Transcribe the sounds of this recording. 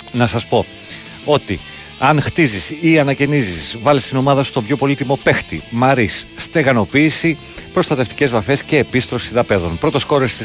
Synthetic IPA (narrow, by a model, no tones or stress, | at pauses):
nɐsɐspo̞ | o̞t̪i | ɐnxt̪izisiɐnɐce̞nizisvɐlist̪ino̞mɐðɐsust̪o̞bʝo̞po̞lit̪imo̞pe̞xt̪imɐɾisːt̪e̞ɣɐno̞piːsi | pɾo̞st̪ɐt̪e̞ft̪i̥ce̞zvɐfe̞sce̞ːpist̪ɾo̞siðɐpe̞ðo̞npɾo̞t̪o̞sko̞ɾesi